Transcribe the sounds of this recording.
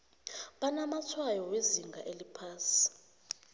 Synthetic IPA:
ɓanamat͡sʰwajɔweziŋɡʱaʔelipʰaːsi̥

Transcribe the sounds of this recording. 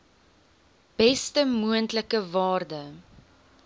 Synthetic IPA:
b̥ɛstəmuəntləkəvɑːrdə

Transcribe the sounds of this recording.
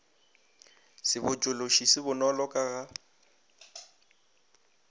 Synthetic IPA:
sɪbʊt͡ʃʼʊloʃisɪbʊnɔlɔkʼaɣa

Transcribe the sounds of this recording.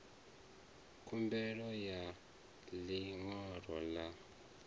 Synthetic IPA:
kʰumbɛlɔja | liŋɔrɔla

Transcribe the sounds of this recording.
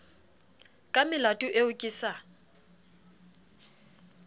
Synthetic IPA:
kʼamɪlatʼʊʔeʊkʼisa

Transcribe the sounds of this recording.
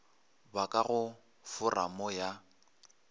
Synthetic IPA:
bakʼaɣʊ | fʊra̰mɔja

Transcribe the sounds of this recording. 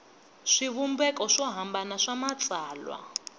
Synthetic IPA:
ʂiβumbɛkɔʂɔɦambanaʂamat͡sʼaːlwa̰

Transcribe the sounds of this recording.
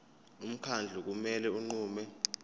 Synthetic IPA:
um̩kʰand͡ɮʱuk̬umɛlɛuŋ͡ǃuːmɛ

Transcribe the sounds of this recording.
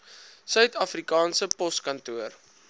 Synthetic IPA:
sœɥtɐfrikɑːnsəpɔskɐntuər

